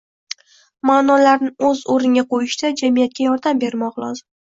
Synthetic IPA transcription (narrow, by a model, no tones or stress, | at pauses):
maːnɒlaɾnɪɵzoɾɪŋɡʲaqʰojɪʃd̪ad͡ʒamijat̪̚kʲajɒɾd̪ambe̞ɾmɒqlˠɒ̰zɪm